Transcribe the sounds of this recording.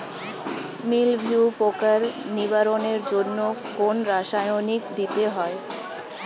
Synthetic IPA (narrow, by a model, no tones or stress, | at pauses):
milbʱiupokaɾniβaɾoneɾd͡ʑonːokonɾaʃajonikd̪it̪eɦɔe